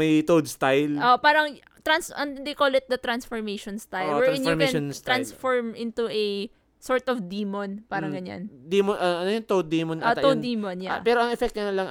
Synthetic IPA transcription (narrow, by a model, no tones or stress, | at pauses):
mɐjt̪owd̪st̪ajlʔoʔpaːɾɐŋ | t̪ɾansɐnd̪ejkolɪt̪̚d̪ɐt̪ɾansfɔɹmejʃɔnst̪ajlwɛɹɾãnomɛonst̪ɾansfoɹmʔɪ̃nt̪uʔɛ | soɹt̪ɔfd̪iːmonpaːɾɐŋɡɐɲa̰nd̪imonʔɐɐnojont̪owd̪̚imont̪ɐowd̪iːmonjapɛːɾoɐŋɛfɛk̚t̪ɐnɐlɐŋ